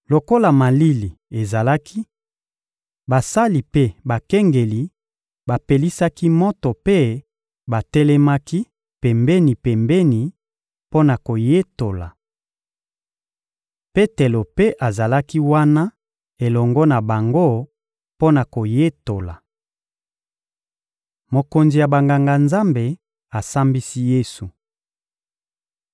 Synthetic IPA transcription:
lo˨ko˦la˨ma˨li˦li˨e˨za˨la˦ki˦ | ba˨sa˦li˨pe˦ba˨kɛ˦ŋɡe˨li˨ | ba˨pe˨li˦sa˦ki˦mɔ˦to˨pe˦ | ba˨tɛ˦lɛ˦ma˦ki˦ | pɛ˨mbɛ˦ni˨pɛ˨mbɛ˦ni˨ | po˦na˨ko˨je˦to˨la̰˨ | pe˦te˨lo˨pe˦ʔa˨za˨la˦ki˦wa˦na˦ | e˨lɔ˨ŋɡɔ˦na˨ba˨ŋɡo˦ | po˦na˨ko˨je˦to˨la˨ | mo˨ko˨nzi˨ja˨ba˨ŋɡa˨ŋɡa˨nza˦mbe˨ | a˨sa˦mbi˦si˦je˦su˨

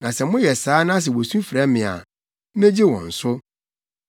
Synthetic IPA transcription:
nã˨sɛ˨mʊ̃˦jɛ˨saː˨˦nã˦s̬ɛ˨wo˨sũ˦fɾɛ˦mɪ̃˨a̰˨˦ | mẽ˦d͡ʑi˦wɔ̰̃˨n̩˨sʊ˦

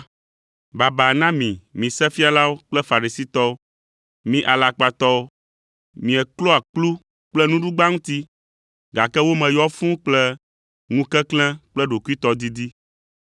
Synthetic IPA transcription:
ba˨ba˨nã˦mĩ˨mĩ˨sɛ˦fi˦a˨la˦wo˦k͡plɛ˦fa˨ɾi˨si˦t̪ɔ˦o˦ | mĩ˦ʔa˨la˨k͡pa˦t̪ɔ˦o˦ | mĩ˨ɛ˨klo˦a˨k͡plu˦ | k͡plɛ˦nũ˦ɖu˦ɡ͡ba˦ŋũ˦t̪i˦ | ɡa˨kɛ˦wo˦mɛ̃˨jɔ˦fũ˦k͡plɛ˦ | ŋũ˦kɛ˦klɛ̃˦k͡plɛ˦ɖo˨ku˦i˦t̪ɔ˦d̪i˦d̪i˦

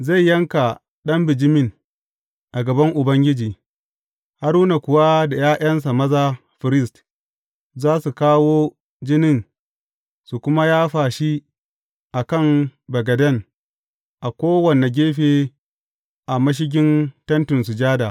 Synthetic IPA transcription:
za˦˨jːɐ˦ŋka˨ | ɗɐ˦mbɪ˨d͡ʒɪ˦mɪ˦n | ʔa˨ɡɐ˨bɐ˦ŋʔʊ˨bɐ˦ŋɡʲɪ˦d͡ʒiː˨ | ha˦ɾu˦na˨kʷʊ˨wa˦da˨jaː˦ʔʲɐ˦ns̬a˨mɐ˦za˦ | ɸɪ˨ɾɪ˦st | zaː˦su˨kaː˦woː˦ | d͡ʒɪ˦nɪ˦˨n | su˨kʷʊ˦ma˦jaː˦ɸaː˨ʃi˦ | ʔa˨kɐ˦˨ŋbɐ˨ɡɐ˨dɐ˦˨n | ʔa˨kʷoː˦wɐ˨ne˨ɡʲeː˦ɸeː˨ | ʔa˨mɐ˦ʃ̬ɪ˦ɡ̬ʲɪ˦ntɐ˦ntɪ˨nsu˨d͡ʒaː˦da˨

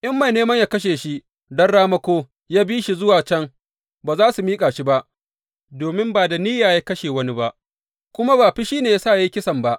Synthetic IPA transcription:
ʔɪ˦mːa˨jneː˦mɐ˦ɲjaː˦kɐ˦ʃ̬eː˨ʃi˦ʔ | dɐ˦nɽaː˦mɐ˦kʷoː˦ | jaː˦biː˦ʃi˦zʊ˦waː˨t͡ʃɐ˦ŋ | baː˨zaː˦su˨miː˦kʼaː˨ʃi˦ba˦ʔ | doː˨mɪ˦mbaː˨da˨niː˦jaː˨jaː˦kɐ˦ʃeː˨wɐ˦ni˦ba˦ʔ | kʷʊ˦ma˦baː˨ɸi˦ʃiː˦neː˨jaː˦saː˦˨ja˦ji˦kʲɪ˦sɐ˨mba˦ʔ

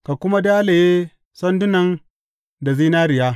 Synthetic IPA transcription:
ka˨kʷʊ˦ma˦daː˦le˨jeː˦ | sɐ˦ndʊ˦nɐ˨n | da˨ziː˦naː˦ɾɪ˨jaː˦

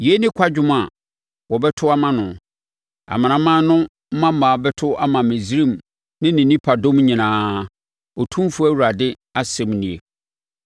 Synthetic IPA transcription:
je˦nɪ̃˦kʷʰa˦d͡ʑᶣʊ˦ma˦a˨ | wɔ˨bɛ˦tʰʊ˦a˦mã˦nʊ̃˨ | a̰˨mã˨nã˨˦mã˦nʊ̃˦ | m̩˦mã˦m˦mã˨bɛ˦tʰʊ˦a˦mã˨mẽ˨zɾĩ˦˨m | nɪ̃˦nɪ̃˨nĩ˦pʰa˨dõ˦mɲĩ˨nãː˨˦ | ɔ˨tʰũ˦m˦fu˦æ˦wu˨ɾa˨dɪ˦ | a˦sɛ̃˨mnĩ˨e˨

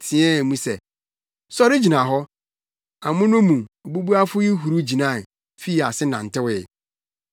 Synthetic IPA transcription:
tʰɪ̃˨ɛ̃˦˨mũ˦sɛ˨ | sɔ˦ɾɪ˦d͡ʑi˨nã˨ɦɔ˦ | ã˨mʊ̃˦nʊ̃˦mũ˨o˨bu˦bu˦a˦fʊ˦i˦ɦu˨ɾu˦d͡ʑi˨nã˦˨ | fi˦˨a˨sɪ˦nã̰˨n̩˨tɪ˦wɪ˨

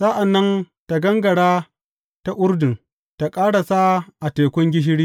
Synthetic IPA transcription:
sa˦ʔa˨nːɐ˦n | ta˨ɡɐ˦ŋɡɐ˨ɽaː˦ | ta˦ʔʷʊ˦rdɪ˨ŋ | ta˨kʼaː˦ɽa˨sa˦ʔa˨teː˨kʷʊ˦ŋɡʲɪ˦ʃ̬ɪ˦ɽiː˦

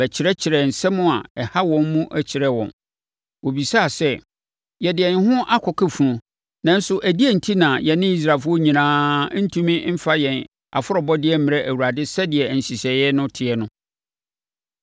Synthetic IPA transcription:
bɛ˨t͡ɕʰɪ˨ɾɛ˦t͡ɕʰɪ˨ɾɛ˨n̩˨sɛ˦mʊ̃˦a˨ɛ˨ha˦wɔ̃˨mmũ˦ʔæ˨t͡ɕʰɪ˨ɾɛ˦wɔ̰̃˨n | wo˨bi˨sa˦˨sɛ˦ | jɛ˨dɪ˨ɛ˨n˦hʊ̃˦ʔa˦kʰɔ˨kʰɛ˦fu˨ɾɔ̃˨ | nã˦n̩˦sʊ˦ʔæ˨di˦æ˦n̩˨tʰi˦nã˨jɛ˨nɪ̃˦i˦s̬ɾaː˨fʊ˦ɔ˦ɲĩ˨nãː˦n̩˦tʰũ˦mĩ˦m̩˦fa˦jɛ̃˨n | a̰˨fʊ˦ɔ˨bɔ˦dɪ˦ɛ˦mɪ̃˨ɾɛ˦ʔæ˨wu˨ɾa˨dɪ˦sɛ˦dɪ˨ɛ˨n̩˨ɕi˨sɛ˨jɛ˦nʊ̃˦tʰɪ˨ɛ˦nʊ̃˦

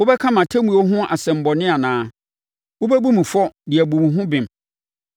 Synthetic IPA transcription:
o˦bɛ˦kʰã˦mã˨tʰæ˦mũ˨o˦ɦʊ̃˦ʔa̰˨sɛ̃˨m̩˨bɔ˨nɪ̃˦a˨nãː˦ | wo˦bæ˦bu˦mĩ˨fɔ˦dɪ˨æ˨bũ˨m̃˨ɦʊ̃˦bɪ̃˨m˨

